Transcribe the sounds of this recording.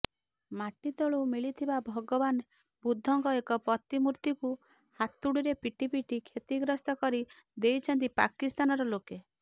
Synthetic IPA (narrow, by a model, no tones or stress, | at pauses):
maʈit̪ɔɭumiɭit̪ʰibabʱɔɡɔban | bud̪ʱːɔŋkɔekɔpɔt̪imuɾt̪iku | hat̪uɽiɾepiʈipiʈikʰet̪iɡɾɔst̪ɔkɔɾi | d̪ejt͡ʃʰɔnt̪̬ipa̰kist̪anɔɾɔloke